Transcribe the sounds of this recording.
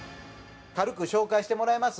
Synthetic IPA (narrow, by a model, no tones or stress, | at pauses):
kaɾɯ̟kɯ̟ɕo̞ːkaiɕi̥t̪emo̞ɾaemasɨ